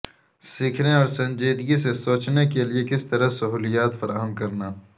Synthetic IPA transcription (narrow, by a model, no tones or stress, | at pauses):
siːkʰneɔːɾsɐ̃ɲd͡ʒeːd̪ɡisesoːt͡ʃnekeliekɪst̪ɐɾɐsɐɦuːlijaːt̪fɐɾʔaːɦəmkɐɾnaː